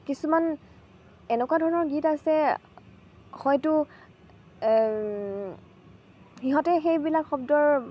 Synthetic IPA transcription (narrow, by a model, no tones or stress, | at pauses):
kisuman | ɛnɛkwadʱɔɹɔnɔɹɡitasɛ | xɔjtʊ | xiɦɔtɛxejbilakxɔbdɔɹ